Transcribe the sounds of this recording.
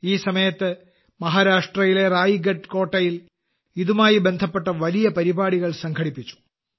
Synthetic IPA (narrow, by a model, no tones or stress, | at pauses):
iːsɐmɐjɐt̪ːɨ | mɐɦaːɾaːʂʈrɐjile̞raːjiɡɐɖko̞ːʈːɐjil | iðumaːjibe̞nd̪ʱɐpːe̞ʈːɐʋɐlijɐpɐɾibaːɽiɣɐɭsɐŋɡʰʱɐɽipːit͡ɕːu̥